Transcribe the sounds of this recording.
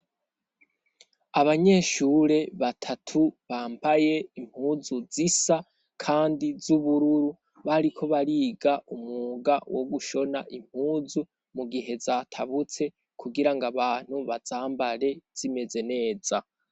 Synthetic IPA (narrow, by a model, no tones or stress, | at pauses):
aβaɲe̞ːʃuɾe̞βatʰatʰuβaːmbaje̞im̥huːzuzisa | kʰaːndizuβuɾuɾu | βaɾikʰo̞βaɾiːɡaʔumuːɡawo̰ɡuʃo̞na̰ʔim̥huːzu | muɡiɦe̞zatʰaβut͡se̞ | kʰuɡiɾaŋɡaβaːn̥huβazaːmbaɾe̞z̥ime̞ze̞ne̞ːz̥a